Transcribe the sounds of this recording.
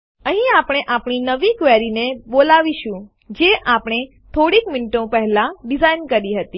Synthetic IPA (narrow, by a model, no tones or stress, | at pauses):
əɦĩapɽ̃eʔapɳ̃inəʋikʋɛɾinebolaʋiʃũ | d͡ʒeʔapɽ̃e | t̪ʰoɽikminʈõpəɦɛlaɖizainkəɾiɦət̪i